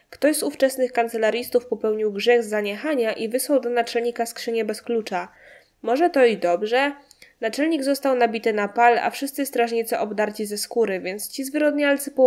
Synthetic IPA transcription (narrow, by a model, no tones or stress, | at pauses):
kt̪ɔʑzuft͡ʂɛsnɘxkant̪sɛlaɾʲjist̪ufpɔpɛwɲiwɡʐɛɣzːaɲɛxaɲaʔivɘswawd̪ɔnat͡ʂɛlɲikaskʂɘɲɛbɛsklut͡ʂa | mɔʐɛt̪ɔid̪ɔbʐɛ | nat͡ʂɛlɲiɡzɔst̪awnabʲit̪ɘnapala̰fʂɘst̪sɘst̪ɾaʐɲit̪sɛʔɔbd̪aɾt͡ɕizɛskuɾɘvʲjɛnt̪st͡ɕizvɘɾɔd̪ɲalt̪sɘpɔ